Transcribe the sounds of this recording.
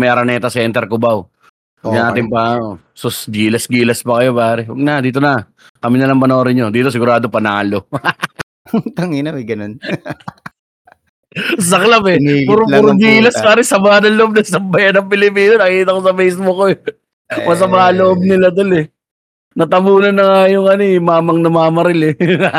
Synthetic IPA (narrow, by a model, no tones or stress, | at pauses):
mɐjʔɐɾɐnɛːt̪ɐsɛnt̪ɛɾkʊbaw | ɡɐʔaːt̪ɪŋpɐo | sosɡiːlɐsɡiːlɐspɐkɐjo̞paːɾɛwɐɡ̚nɐd̪iːt̪o̞nɐ | kɐmɪnɐlɐŋpɐno̞ːɾɪɲod̪iːt̪o̞s̬ɪɡʊɾaːd̪opɐnaːlo̞ | t̪ɐŋɪnɐmɐɡɐnon | s̬ɐklabɛpuɾuɾŋɡiːlɐspaːɾɪsɐmaːnɐŋloʔob̚nɐsɐmbɐjɐnɐŋpɪlɪpiːnonɐkiːt̪ɐko̞sɐmɛjsbʊko | mɐs̬ɐmaːloʔob̚nɪlad̪olɛ | nɐt̪ɐmuːnɐnːɐŋajʊŋɐnomaːmɐŋnɐmaːmɐɾɪlɛ